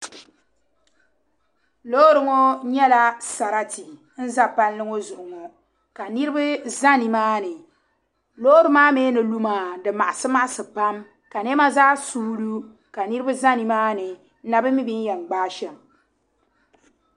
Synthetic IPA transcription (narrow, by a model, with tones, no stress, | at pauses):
lo˦ɾɨ˨ŋo˦ɲɛ˦la˦sa˨ɾa˦ti˨ | n̩˦za˦pa˦nlɨ˦ŋo˦zʊ˨ʔʊ˨ŋɔ˨ | ka˨nɨ˦ɾɨ˦bɨ˦za˦ni˨maː˦nɨ˨ | lo˦ɾɨ˦maː˦meː˦nɨ˨lu˦maː˨dɨ˨ma˨ʔa˨sɨ˦ma˦ʔsɨ˨pa˦m | ka˨nɛ˦ma˦zaː˦su˦lu˦ | ka˨nɨ˦ɾbɨ˦za˦ni˨maː˦nɨ˨˦ | na˨bɨ˦mi˦bi˦n˦jɛ˨ŋ͡mɡ͡baː˦ʃɛ˨m